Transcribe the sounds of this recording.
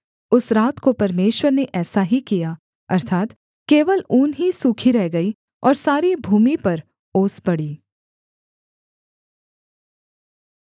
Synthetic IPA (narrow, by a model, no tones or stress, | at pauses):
ʊsɾaːt̪kopɐɾmeːʃwəɾneʔɛːsaɦikija | ɐ̰ɾt̪ʰaːt̪ | keːʋəluːnɦisuːkʰiɾɛɦɡɐi | ɔːɾsaːɾibʱuːmipɐɾ | oːspɐɽiː